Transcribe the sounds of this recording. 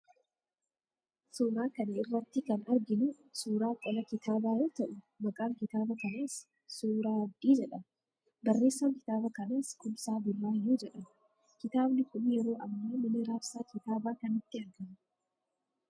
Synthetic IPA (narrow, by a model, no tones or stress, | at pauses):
sʊnaːkɐnɛɪrːɐt̪ːɪkɐnɐɾɡɪnʊ | suːɾaːkʼɔlɐkɪt̪aːbaːjoːt̪ɐʔʊ | mɐkʼaːŋkɪt̪aːbɐkɐneːs | suːɾaːɐd̪iːd͡ʒɛᶑɐ | bɐrːe̞ːsːɐŋkɪ̥t̪aːbɐkɐneːskʊmsaːbʊlːaːjːuːd͡ʒɛᶑɐ | kɪt̪aːbnɪkʊnjɛɾo̞ːʔɐmːoːmɪnɪɾaːfsaːkɪt̪aːbaːkɐnɪt̪ːɪɐɾɡɐm